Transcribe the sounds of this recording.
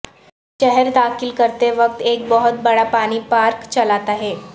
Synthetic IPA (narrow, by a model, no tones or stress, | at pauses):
ʃɛɦɛɾd̪akɪlkəɾt̪eʋək̚t̪eːk̚bəɦut̪̚bəɽapaɽ̃iːpaɾkt͡ɕəlat̪aɦe